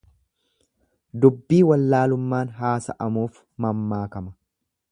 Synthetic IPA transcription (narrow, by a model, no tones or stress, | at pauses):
d̪ʊbːiːwɐlːaːlʊmːaːnɦaːsɐ̰ʔɐmuːf | mɐmːaːkɐmɐ